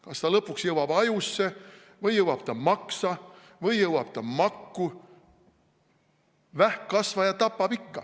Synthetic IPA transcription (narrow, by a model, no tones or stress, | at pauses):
kɑst̪ɑlɤpːˑuksjɤwɑb̥ɑjusːe̞ | vɤjːɤwɑb̥t̪ɑmɑksɑ | vɤjːɤwɑb̥̚t̪ɑmɑkːu | væhkkɑsvɑjɑt̪ɑpːɑb̥ikːɑ̰